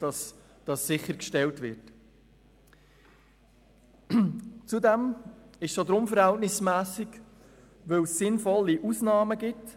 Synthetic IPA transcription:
d̥ɑs | d̥ɑsːɪχəɾkʃtɛltʋɪɾt | t͡sudɛmɪʃsod̪ɾʊmfəɾhæltnɪsmæːsiɡ | ʋɵwsːɪnfɔlːiʔusnɑːməɡɪt

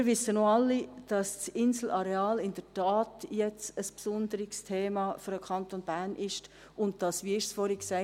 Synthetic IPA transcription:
mːɾʋɪsːənoɑlːid̥ɑst͡sɪnsl̩ʔɑɾeɑːlɪnd̥ətɑːtjɛt͡səspsʊndəɾɪkstʰeːmɑfyɾəkʰɑntonb̥æɾnʔɪʃt | ʔʊnt̚d̥ɑsʋiɪɾsfɔɾhiksɛɪ

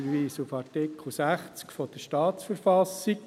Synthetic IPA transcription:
əʋiːsufɑrtɪkʰl̩sæχt͡skfɔd̥̪əʃtɑːtsfəɾfɑsik

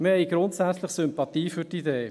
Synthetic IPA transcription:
məhɛɪɡ̥ɾʊntsæt͡slɪχsʏmpɑt̪iːfytideː

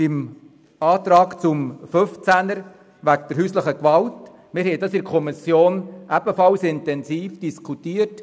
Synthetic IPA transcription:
ɪm | ɑːt̪ɾɑːkt͡sʊmføft͡sænəɾ | ʋæk̚d̥əɾɦyːsləχəkʋɑlt | mɪɾɦhɛɪdɑsɪɾkʰɔmisjoːnʔæbəfɑlsɪntɛnsiːfd̥iskʰutiːət

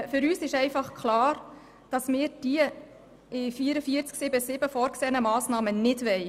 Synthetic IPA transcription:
fʏɾyːsɪʃɛɪfɑχkχlɑːr | d̥ɑsmɪːɾd̥iə | ɪfiəɾəfiəɾt͡sksɪbəsɪbəfɔːɾkseːənəmɑːsnɑːmənɪdʋɛɪ

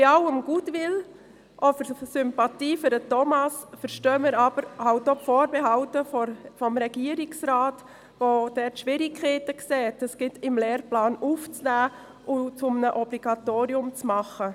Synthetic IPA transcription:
ɪɑwəmɡ̥uːtʋɪl | ʔɔfəɾsʏmpɑtiːfʏɾdətɔmɑsfəɾʃtøːmɪɾɑb̥əɾhawt̚ːopfoːɾbɛɦɑltəffɔmɾɛɡiəɾɪksɾaːt | vod̥ɛtʃʋɪɾɪkʰχɛːtəksɛːtəsɡ̥ɪtɪmlɛːɾplɑːnuft͡snæː | ʊt͡sʊmnəʔɔb̥liɡɑtoːɾiʊmt͡smɑχə

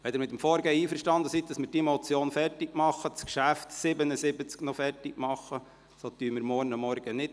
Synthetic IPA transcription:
ʋɛd̪ɪɾmɪt̪ːəmfɔːɾɡɛiːfəɾʃtɑnd̪əsit̚dɑsmɪɾd̥imɔt͡sjoːnfɛrtɪɡ̥mɑχːət͡skʃæftsɪbənəsɪbət͡sknɔfɛrtɪɡ̥mɑχːə | sot̪yːmɪɾmɔɾnəmːɔɾɡ̥ənɪt

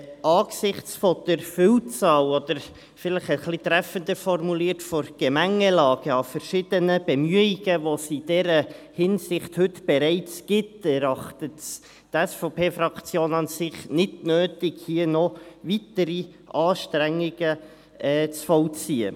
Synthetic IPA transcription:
ɑːksɪχt͡sfɔd̥əɾfʏwt͡sɑːlɔd̥̪əɾ | fɪləχəχlitɾæfəndəfɔrmuliːtfɔɾɡ̥ɛmæŋəlɑːɡ̥əɑfəɾʃɪd̥ənəb̥ɛmyəiɡəʋosid̥ɛɾəhɪnsɪχthɵtb̥ɛɾɛɪt͡sɡ̥ɪtɛɾɑχtəts | tæsfopeːfrɑkt͡sjoːnɑnsɪχnɪdnøːtɪɡhiənɔvitəɾi | ʔɑːʃtɾæŋːiɡ̥ə | ɛːt͡sfɔʊt͡siːə̰

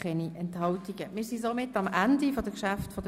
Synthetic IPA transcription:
ɛniʔɛnthɑltiɡəmɪːɾsisomɪtːɑmʔændifodəkʃaftfɔdə

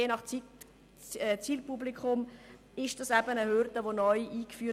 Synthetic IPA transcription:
eːnɑχt͡si | ɛt͡siːlpublikʰʊm | ɪʃd̥ɑsæbənəhøɾdəʋonɔʏʔiːkfyː

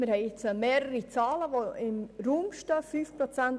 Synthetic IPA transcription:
mɪɾhɛɪɪt͡səmɛːɾəɾit͡sɑːləvoɪmɾuːmʃtəfyːfpɾot͡sɛnt

